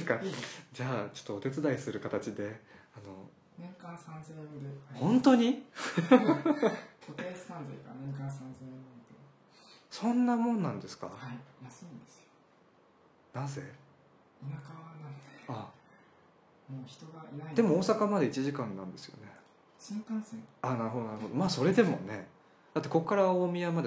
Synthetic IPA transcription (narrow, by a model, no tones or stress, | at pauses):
skad͡ʑaːt͡ɕo̞̥t̪ːoot̪e̞t͡sɨd̪aisɨɾɯ̟kat̪at͡ɕid̪e̞ano̞ | nẽŋkãsãnzemɯd̪ehõ̞nt̪o̞ɲ̟i | ot̪e̥ːsãnzaikanẽkãsãnzemɯd̪e | sõ̞nːamõ̞nːãnd̪e̞sɨ̥ka̰haijasɨĩnd̪esɨ̥jo | naze̞̰ | inakaβanana | moːçi̥t̪oɡaiad̪e̞mo̞oːsakamad̪e̞it͡ɕiʑikãnːã̰nd̪e̞sɨjo̞̰ne̞ | sẽk̪ãnsẽanaɾɯ̟ɦo̞d̪onaɾɯho̞d̪o̞maːso̞ɾe̞d̪e̞mo̞̰ne̞ | d̪̥at̪ːeko̞kːaɾaoːmʲiamad̪e